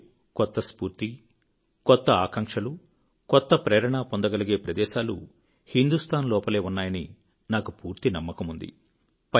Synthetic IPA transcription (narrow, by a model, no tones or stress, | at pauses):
kɔt̪ːɐspuːɾt̪i | kɔt̪ːɐaːkɐŋkʂɐlu | kɔt̪ːɐpɾeːɾɐɳaːpond̪ɐɡɐliɡeːpɾɐd̪ɛːʃaːlṵ | hind̪ust̪ʰaːnlɔːpɐle̞ːunːaːjɐni | naːkupuːɾt̪inɐmːɐkɐmund̪ḭ | pɐ